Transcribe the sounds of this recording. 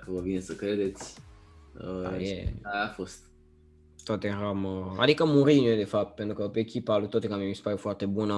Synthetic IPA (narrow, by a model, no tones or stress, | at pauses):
kəvəvinesəkɾed̪e̞t̪sʲ | əjeaafost̪ | t̪ot̪eraməa̰d̪ikəmuɾinod̪efap̚t̪̚pent̪ɾukəpeːkʲipalut̪ot̪ekamemispaɾjufoart̪ebunə